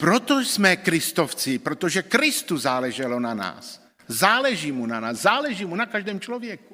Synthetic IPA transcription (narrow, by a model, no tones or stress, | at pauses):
pɾot̪osmɛkɾɪst̪oft͡sɪpɾot̪oʒɛkɾɪst̪uzaːlɛʒɛlonana̰ːs | zaːlɛʒiːmunanaːszaːlɛʒiːmunakaʒdɛːmt͡ʃlovjɛku̥